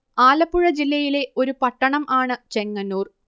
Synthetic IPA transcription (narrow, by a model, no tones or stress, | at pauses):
aːlɐpːuɻɐd͡ʑilːɐjile̞ʔo̞ɾupɐʈːɐɳɐmʔaːɳɨt͡ɕe̞ŋːɐnːuːr